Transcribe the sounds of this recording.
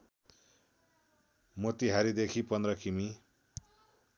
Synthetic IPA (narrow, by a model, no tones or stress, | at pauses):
mot̪iɦaɾid̪ekʰipʌnd̪rʌkʰimi